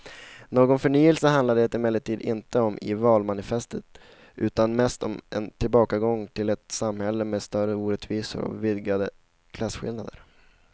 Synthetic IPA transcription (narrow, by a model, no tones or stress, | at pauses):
noːɡɔnfœɳyːəlsəɦand̪lad̪ɛt̪ɪmɛlːəʈʰiːd̪ɪ̰nt̪əɔmʔɪ̰vɑːlmanɪfɛst̪ət̪ | ʔʉ̟ːt̪anmɛst̪ɔmʔɛnt̪ʰɪlbɑːkaɡɔŋt̪ʰɪlɛt̪samhɛlːəmeːst̪œɾəuːɾɛt̪viːsə̰ɾɔ̰vɪd̪ɡad̪ə | kʰlasɧɪ̰lnad̪ə̰ɾ